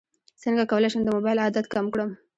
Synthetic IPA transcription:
səŋɡakawəlajʃəmd̪əmobajlad̪at̪kamkɽəm

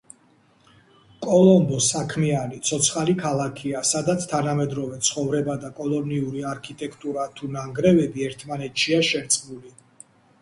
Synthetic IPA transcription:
kʼɔlˠɔmbɔsakʰmianit̪sʰɔt̪sʰχalikʰalˠakʰiasad̪at̪sʰt̪ʰanamɛd̪ɾɔvɛt̪sʰχɔvɾɛbad̪akʼɔlˠɔniuɾiaɾkʰit̪ʼɛkʰt̪ʼuɾat̪ʰunaŋɡɾɛvɛbiɛɾt̪ʰmanɛt̪ʰʃiaʃɛɾt̪sʼmuli

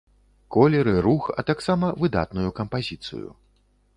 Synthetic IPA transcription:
kɔlʲɛɾɨɾuxɐ̰t̪aksamɐvɨd̪a̰t̪nujukɐmpazʲit̪sɨ̰jṵ

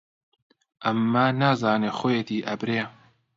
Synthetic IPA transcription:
ʔɐmːaːnaːzaːnexojet̪ʰiːʔɐbɾeː

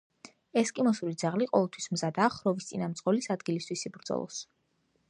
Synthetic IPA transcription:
ɛskʼimɔsulid̪zaʁliqʼɔvɛlˠt̪ʰwismzad̪aːχɾɔvist̪sʼinamt̪sʼqʼɔlisad̪ɡilist̪ʰwisibɾd̪zɔ̰lˠɔ̰s

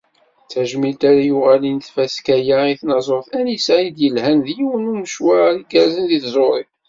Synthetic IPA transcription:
t͡sːæʒmilt̪æɾajʊʁælint̪fæskæjaiθnɑzˤoɾθænisʕid̪jəlhænðjiwənuməʃwæɾliɡæzənðiθzˤoɾˤi

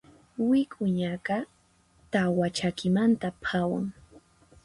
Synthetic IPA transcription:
wɪkʼʊɲakɑ | t̪awat͡ʃakɪmant̪apʰawa̰ŋ

